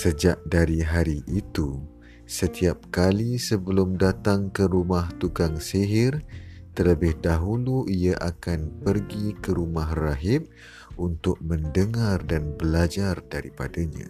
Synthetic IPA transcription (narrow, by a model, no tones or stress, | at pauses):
səd͡ʒaʔdaɾiɦaɾiʔit̪u | sət̪iap̚kalisəbəlʊmdat̪aŋkəɾumaht̪uɡaŋseɦɪrt̪ələbɪhdaɦuluʔiaʔakanpərɡikəɾumaɦraɦɪm̚ | unt̪ʊk̚mə̃ndəŋardanbəlad͡ʒardaɾipadaɲã̰